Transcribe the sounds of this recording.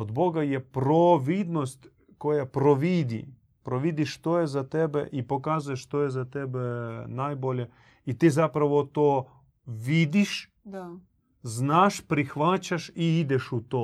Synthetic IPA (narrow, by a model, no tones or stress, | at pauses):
od̪boɡajɛpɾoʋid̪nost̪ʲ | kojapɾoʋid̪ḭ | pɾoʋid̪iʃt̪ojɛzat̪ɛbɛ̰ʔipokazujeʃt̪ojɛzat̪ebɛnajbole | it̪izapɾaʋot̪o | ʋid̪iʃ | znaːʃpɾixʋat͡ɕaʃiid̪ɛʃut̪o